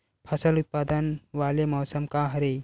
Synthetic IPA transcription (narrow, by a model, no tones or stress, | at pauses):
pʰɐsəlut̪̚paːd̪ənʋalemɔːsəmkãɦɐɾe